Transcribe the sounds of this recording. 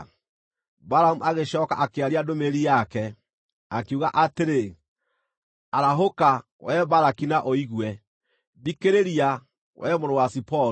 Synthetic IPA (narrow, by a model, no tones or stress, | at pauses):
baɾamuʔaɣeɕɔːkaʔakeaɾiadomeɾijakɛ | akeuɣaʔateɾe | aɾaɦoka | wɛβaɾakinaʔoiɣwɛ | βikeɾeɾia | wɛmoɾowasipɔ